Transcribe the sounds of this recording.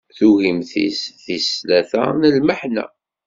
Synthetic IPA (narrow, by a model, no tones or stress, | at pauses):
θuʝimθḭsθislæθæ̰nəlməħnæ̰